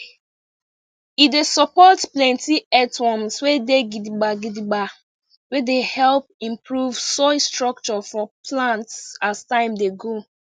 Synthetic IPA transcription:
idesɔpɔtplɛ̃ntiɛtwɔ̃mswedeɡidiɡ͡baɡidiɡ͡ba | wedehɛlp̚ĩmpɹuvsɔstɹɔk̚t͡ʃɔfɔplãntsastãɪ̃mdeɡo

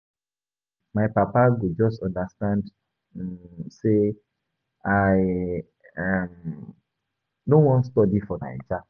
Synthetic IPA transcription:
majpapaɡud͡ʒɔstɔ̃ndəstãnd | se | aj | am | dõnwɔ̃nstɔdifɔna̰jd͡ʒa

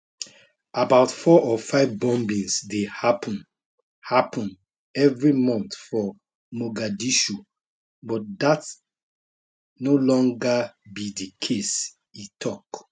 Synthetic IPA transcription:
abaʊtfɔʔɔfaɪvbɔ̃mbĩŋsdehapʰn | hapʰɔ̃n | ɛvɹimɔ̃nθfɔ | moɡadiʃu | bɔt̚dat | nolɔ̃ŋɡabidikʰes | itʰɔk

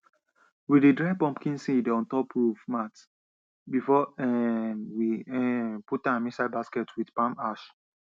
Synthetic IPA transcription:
wididɹapɔ̃mpkĩnsĩdiɔ̃ntɔpʰɹuvmat | bifɔɛnwiɛputãmĩsad̚baskɛtʰwidpãmaʃ

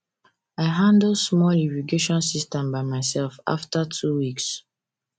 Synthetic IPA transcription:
aɪɦãndl̩smɔliviɡeʃɔ̃nsistɛ̃mbaɪmaɪsɛlfa̰ftatʰuwiks

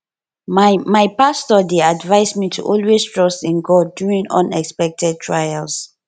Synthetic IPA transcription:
mmajpastɔdeadvaɪsmitʰṵʔɔlwestʰɹ̥ɔstĩnɡɔdjuɹĩŋɔ̰̃nɛkspɛk̚tʰɛd̚tʰɹajals

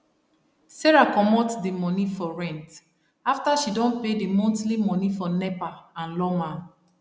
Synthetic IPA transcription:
seɹakɔmɔtdimɔnifɔɹɛ̃nt | aftaʃidɔ̃npedimɔ̃ntlimɔ̃nifɔnɛpaãnlɔma

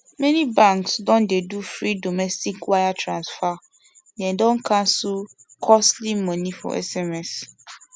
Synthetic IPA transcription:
mɛ̃nĩbãŋksdɔ̃ndɛdufɾidomɛstʰikwajatʰɾãnsfa | nɛ̃dɔ̃ŋ̩kʰãsʊkʰɔstlimmɔ̃nĩfɔ̰ɛ̰sɛmɛs

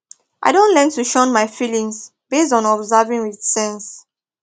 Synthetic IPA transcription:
ʔa̰ɪdõnlɛ̃ntuʃɔ̃nmaɪfilĩŋs | b̥es̬tɔ̃nɔbzavĩŋwið̥sɛ̃ns

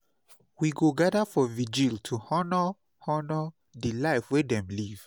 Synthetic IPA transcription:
wiɡoɡadafɔvid͡ʒiltʰuhɔnə | hɔnə | dilaɪfwedɛ̃mliv̥

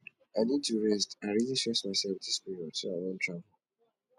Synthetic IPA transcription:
aɪdĩntuɹɛstãɹiliʃɛsmaɪsɛlvdispiɹiɔd̥soaɪwɔ̃ntʰɹavl̩

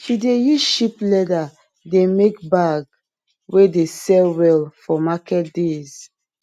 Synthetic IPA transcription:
ʃidejuʃiplɛda | demekbaɡ | wedesɛlwɛlfɔmakɛt̚dez̥

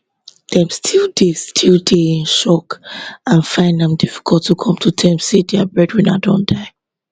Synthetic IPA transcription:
d̥ɛ̃mstʰilˠdestʰilˠdeĩnʃɔkãnfãɪ̃ndãmdifi̥kʰɔlˠtʰːukʰɔ̃mtʰutʰɛ̃msedɛəbɹɛdɹĩnadɔ̃nd̥aɪ

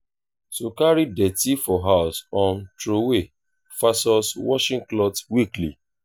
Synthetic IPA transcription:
sokaɹidɛtifɔɦaʊsɔ̃ntɾowe | fasɔswɔʃĩŋklɔtwiklḭ

